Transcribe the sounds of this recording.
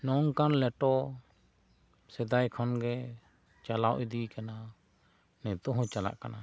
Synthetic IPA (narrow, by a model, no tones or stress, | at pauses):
nɔŋkanlɛʈɔ | sɛd̪ajkʰɔnɡɛ | t͡ʃalawʔid̪ikana | nɛt̪ɔ̃ɦɔ̃t͡ʃala̰ʔkana